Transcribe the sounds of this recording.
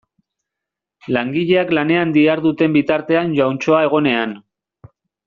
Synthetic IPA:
laŋɡiʎe̞aklane̞and̪iaɾðut̪e̞mbit̪aɾt̪e̞anʝawnt͡ʃo̞ae̞ɣ̞o̞ne̞an

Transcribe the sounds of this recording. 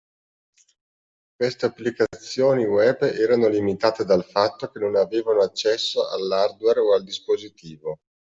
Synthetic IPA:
kwest̪eapːlikat̪sːjoːniwɛbɛːɾanolimit̪aːt̪ed̪alfat̪ːokenonaveːvanoat͡ʃːɛsːoa̰lːard̪wɛroald̪ispozit̪iːvo

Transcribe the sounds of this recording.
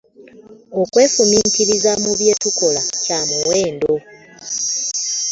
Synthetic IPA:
okwe̞ːfumiːntiɾizamuβje̞ːtuko̞lacamuwe̞ːndo̞

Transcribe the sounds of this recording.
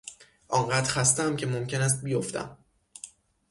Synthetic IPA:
ʔɒːɴɢæːd̪̥ɾxæst̪æmcʲʰe̞momcʰe̞næs̬t̪̚bijoft̪ʰæ̰m

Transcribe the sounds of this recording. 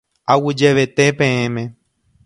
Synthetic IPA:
awid͡ʒeβet̪epẽẽmẽ

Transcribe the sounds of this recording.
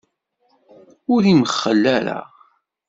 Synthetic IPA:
ʊɾiməχːəlːæɾæ̰ʁ

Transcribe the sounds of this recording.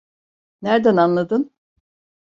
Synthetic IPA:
næɾd̪ænanlˠad̪ɯn

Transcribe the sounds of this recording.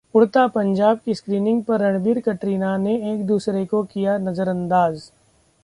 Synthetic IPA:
ʊɽt̪apɐ̃ɲd͡ʒaːb̚kiskɾiːnɪ̃ŋɡ̚pɐɾːɐɽ̃biːɾkɐʈɾiːnaneeːk̚d̪uːsɾekokijanɐzəɾɐ̃nd̪aːz

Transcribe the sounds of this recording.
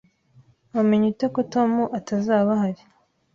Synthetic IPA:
βameɲitokoto̞muʔatazaːβahaɾi̥

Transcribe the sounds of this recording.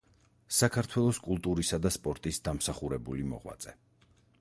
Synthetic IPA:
sakʰaɾt̪ʰwɛlˠɔskʼulˠt̪ʼuɾisad̪aspʼɔɾt̪ʼisd̪amsaχuɾɛbulimɔ̰ʁwa̰t̪sʼɛ

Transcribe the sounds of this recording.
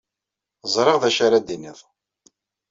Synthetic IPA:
zˤɾˤeʁðæʃaɾad̪inḭðˤ

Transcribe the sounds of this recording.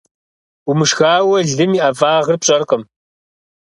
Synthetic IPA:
umɨʂxaːwɐɮɨmiʔɐvaːʁərpɕʼɐrqəm

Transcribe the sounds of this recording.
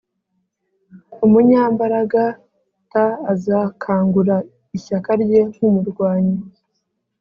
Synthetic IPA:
umuɲaːmbaɾaɡa | taːzakʰaːŋɡuɾa | içakaɾɟe̞ŋ̥humuɾɡwaːɲi

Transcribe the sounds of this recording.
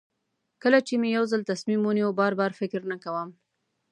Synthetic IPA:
kəlat͡ʃemejawzəlt̪asmimuniwubɑɾbɑɾfɪkɾnakawəm

